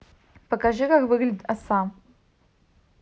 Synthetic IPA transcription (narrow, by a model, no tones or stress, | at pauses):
pəkaʐɨkakvɨɡlʲɪdʲɪt̪asam